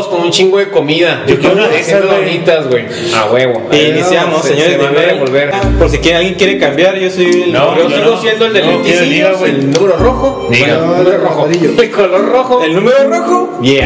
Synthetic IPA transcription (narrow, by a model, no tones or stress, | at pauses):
skonunt͡ʃiŋɡoðeko̞miðad͡ʒokjeɾoaesaβoit̪azɣwej | a̰weβoinisjamoseɲoɾezd̪aβeaβolβeɾpoɾs̬ikjealɣjeŋkjeɾekambjaɾʝosojelnooiɣosjend̪oeld̪elokeoliawelnũmeɾoroxo | numɾooxoɾioelkoloɾroxoelnũmeɾoroxobje